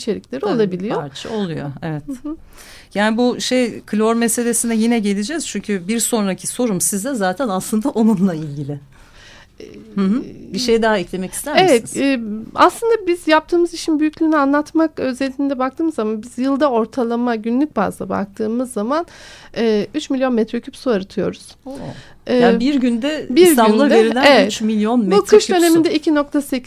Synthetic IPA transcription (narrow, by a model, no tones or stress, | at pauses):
t͡ʃʰe̞ɾiclʲe̞ɾiolˠabilʲijoɾt͡ʃʰa̰olˠujo̰evɛt̪ | jaːnibuʃejkʰlʲoɾmese̞lʲe̞sinɛjinɛɟe̞lʲid͡ʒɛz̥t͡ʃʰyɲcʰybiɾso̞nɾacʰiso̞ɾumsizd̪ɛzaːt̪ʰɛnaslɯnd̪aʔo̞nunlˠailʲɟilʲɪ | ɛhɯbiʃejd̪aɦaɛclʲemɛci̥st̪ʰæɾemvɛt̪ɛːa̰slˠɯnd̪abizjap̚t̪ʰɯːmɯziʃʰinbyjycʲlʲyːnianlˠat̪makø̞zɛlʲːind̪ɛbak̚t̪ʰɯːmɯzːamanbiz̥jɯlˠd̪ao̞ɾt̪ʰalˠamaɟynlʲyc̚ba̰zd̪ˠaba̰k̚t̪ʰɯːmɯzːamanɛːyt͡ʃmilʲjo̞nmɛt̪ɾøcʰypsuaɾɯt̪ʰɯjo̞̰ɾuz̥o | abiɾɟynd̪ɛbiɾɟ̪aynlˠɯveɾilʲæeɛyt͡ʃmilʲjo̞nmbukʰɯʃd̪ø̞ne̞mind̪ɛicʰino̞k̚t̪ʰase